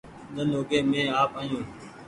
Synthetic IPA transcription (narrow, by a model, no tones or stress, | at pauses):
ɗənoːɡeːmẽːaːpaːjũː